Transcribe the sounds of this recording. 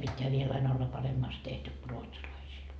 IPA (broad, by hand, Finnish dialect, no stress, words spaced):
pitːeæ ʋiel ɑin olːɑ pɑremːɑːst tehty ku ruotsɑlɑisiːl